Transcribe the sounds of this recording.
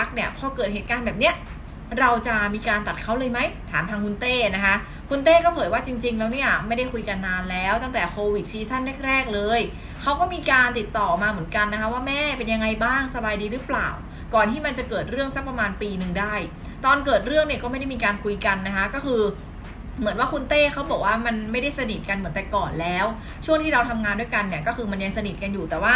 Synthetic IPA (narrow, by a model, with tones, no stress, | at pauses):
a˦˥k̚ni˥˩əpʰɔː˧kɤː˨˩t̚ɦe˨˩t̪kaː˧nbɛː˨˩p̚ni˦˥ɐ | ɾa˧wt͡ɕa˨˩miː˧kaː˧nt̪a˨˩t̪̚kʰa˦˥wlɤː˧jma˦˥jt̪ʰa̰ː˩˦mt̪ʰaː˧ŋkʰu˧nt̪eː˥˩na˦˥kʰa˦˥ | kʰu˧nt̪eː˥˩kɔː˥˩pʰɤː˩˦jwaː˥˩t͡ɕi˧ŋt͡ɕi˧ŋlɛː˦˥wni˥˩ɐma˥˩jda˥˩jkʰu˧jka˧nːaː˧nlɛː˦˥wt̪a˥˩ŋt̪ɛː˨˩kʰoː˧wi˨˩t̪̚t͡ɕʰiː˧sa˥˩nːɛ˥˩k̚ɾɛː˥˩k̚lɤː˧j | kʰa˦˥wkɔː˥˩miː˧kaː˧nt̪i˨˩t̪ːɔː˨˩maː˧mɯ˩˦ənka˧nːa˦˥kʰa˦˥waː˥˩mɛː˥˩pe˧nja˧ŋa˧jbaː˥˩ŋsa˧baː˧jdiː˧ɾɯː˦˥pla̰ː˨˩w | kɔː˨˩nt̪ʰiː˥˩ma˧nt͡ɕa˨˩kɤː˨˩t̪̚ɾɯ˥˩əŋsa˦˥k̚pɾa˧maː˧npiː˧nɯ˨˩ŋdaː˥˩j | t̪ɔː˧nkɤː˨˩t̪̚ɾɯ˥˩əŋni˥˩əkɔː˥˩ma˥˩jda˥˩imiː˧kaː˧nkʰu˧jka˧nːa˦˥kʰa˦˥kɔː˥˩kʰɯː˧ | mɯ˩˦ənwaː˥˩kʰu˧nt̪eː˥˩kʰa˦˥wbɔː˨˩k̚waː˥˩ma˧nma˥˩jda˥˩jsa˧ni˨˩t̪̚ka˧nmɯ˩˦nt̪ɛ˨˩kɔː˨˩nlɛː˦˥w | t͡ɕʰu˥˩əŋt̪ʰiː˥ɾa˧wt̪ʰa˧mŋaː˧ndu˥˩ə˩jka˧nːi˧˩kɔː˥˩xʰɯː˧ma˧nja˧ŋsa˧ni˨˩t̪̚ka˧njuː˨˩t̪ɛː˨˩waː˥˩